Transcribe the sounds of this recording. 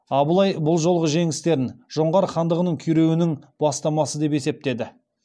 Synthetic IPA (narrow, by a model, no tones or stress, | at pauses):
ɑbəlˠɑjbʊlˠʒo̞lˠʁəʒe̞ŋɪst̪e̞ɾɪnʒ̥o̞ɴʁɑɾχɑnd̪əʁənəɴkʲʰʏjɾe̞wɪnɪŋb̥ɑst̪ɑmɑsəd̪e̞pe̞se̞p̚t̪e̞d̪ɪ